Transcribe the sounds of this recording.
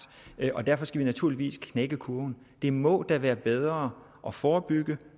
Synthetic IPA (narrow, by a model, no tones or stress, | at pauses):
ʔɒ̽d̥æɐ̰fɒ̽sɡ̥æʋinæt͡sʰuɐ̰liʋḭːskʰneɡ̥əkʰuɐn̩ | d̥e̝mɔ̽d̥æʋæːɐb̥eð̞ˠʁɐː | ʔɒ̽fɒːb̥yɡ̥ə